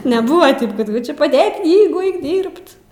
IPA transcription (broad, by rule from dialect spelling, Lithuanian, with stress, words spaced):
nʲɛˈbʊʋɐ ˈtʲɪp kɐt ˈt͡ʃʲɛ pɐˈdʲeːk ˈknʲiːɡʊ ˈɐɪk ˈdʲiːrpt